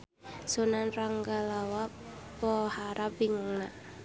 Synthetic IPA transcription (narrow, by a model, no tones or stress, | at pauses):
sonanraŋɡalawa | pɔhaɾabiŋaŋnaʔ